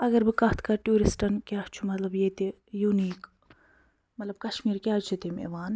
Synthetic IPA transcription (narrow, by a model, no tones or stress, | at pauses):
ɐɡɐɾbikɐɦt̪ʰkɐʈuːɾisʈɐnkjaːɦt͡ʃʰumɐt̪lɐbjeːt̪e | juːniːk | mɐt̪lɐb̚kɐʃmiːɾkʲjaːt͡ʃʰit̪emḛmaːn